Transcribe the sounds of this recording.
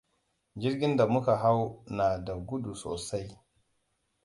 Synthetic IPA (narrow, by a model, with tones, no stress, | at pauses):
d͡ʒɪ˦rɡʲɪ˦nda˨mʊ˦ka˨ɦa˦wnaː˨da˨ɡʷʊ˦du˨so̰ː˨sa˦j